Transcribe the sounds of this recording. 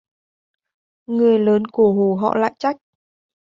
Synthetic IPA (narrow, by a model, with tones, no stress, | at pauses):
ŋɨ˨˩əjləː˨˦nku˧˩əɦu˧˩ɦɔ̰˧˨la̰ː˧˨jt͡ɕa˦˥jk̚